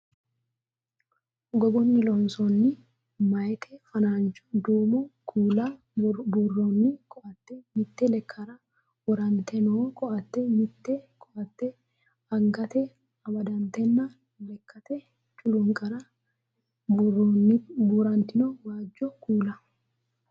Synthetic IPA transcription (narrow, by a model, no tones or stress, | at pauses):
ɡɔɡɔnːɪlɔnsɔnːɪ | mɐjt̪ʰɛfɐnaːnt͡ʃɔ̥d̪uːmɔkʰuːla | bʊrːonːɪkʼɔʔɐt̪ːɛmɪt̪ːɛlɛkʰːɐɾɐ | wɔɾɐnt̪ɛnokʼɔʔɐt̪ːɛmɪt̪ːɛkʼɔʔɐt̪ːɛ | ɐŋɡɐt̪ɛ | ɐbɐd̪ɐnt̪ɛnːɐ | lɛkʰːɐt̪ɛ | t͡ʃʼʊlʊŋkʼɐɾɐ | buːɾɐnt̪ɪnɔwaːd͡ʒːɔkuːlɐ